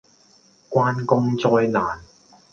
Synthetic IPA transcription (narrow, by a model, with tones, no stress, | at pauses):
kwaː˥nkʊ˥ŋt͡sɔː˧jlaː˨˩n